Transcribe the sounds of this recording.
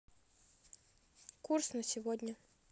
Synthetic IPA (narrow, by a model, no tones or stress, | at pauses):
kursnɐsʲɪvɔd̪ʲnʲɐ